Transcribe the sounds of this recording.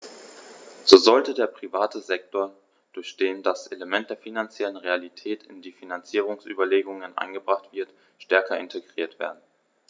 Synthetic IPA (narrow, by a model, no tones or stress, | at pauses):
z̥oːzɔltədeːɐpʁ̥ivaːtʰəzɛk̚toːɐ | d̥ʊɐçd̥eːndasʔeləmɛnt̚d̥eːɐfinant͡sjɛlənʁealitʰɛːtʰɪ̰ndiːfinant͡siːʁ̞ʊŋsʔy̰ːbɐleːɡʊŋənʔa̰ɪnɡəbʁaχtv̥ɪɐt | ʃtɛɐkɐɪntʰeɡʁiːɐtv̥ḛːɐdn̩